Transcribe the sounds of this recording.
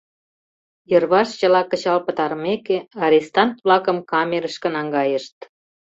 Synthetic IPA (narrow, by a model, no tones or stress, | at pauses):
jərβɑʃt͡ɕə̆lɑkə̆t͡ɕɑlpə̆t̪ɑɾmekeɑɾest̪ɑnt̪βlɑkə̆mkɑmʲeɾəʃkə̆nɑŋɡɑjəʃt̪̚